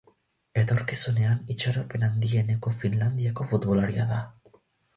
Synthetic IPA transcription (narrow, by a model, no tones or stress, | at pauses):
e̞t̪o̞ɾkisune̞anit͡ʃoɾope̞nand̪ie̞ne̞ko̞finland̪iako̞fut̪βolaɾiaða